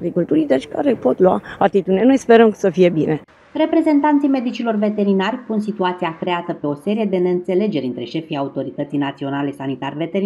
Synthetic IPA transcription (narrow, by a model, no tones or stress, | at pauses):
ɡɾikult̪uɾid̪et͡ʃʲka̰ɾepo̞t̪lwaat̪it̪ud̪ineno̞jspeɾəmsəfije̞bine̞ | re̞pɾe̞ze̞nt̪ant̪sijme̞d̪it͡ʃilo̞rve̞t̪e̞ɾinarʲpunsit̪uat̪siakɾe̞at̪əpe̞o̞se̞ɾije̞d̪e̞ne̞ɨnt̪se̞le̞d͡ʒe̞ɾʲɨnt̪ɾe̞ʃe̞fijaut̪o̞ɾit̪ət̪sijnat̪sio̞nalesanit̪arʲve̞t̪e̞ɾi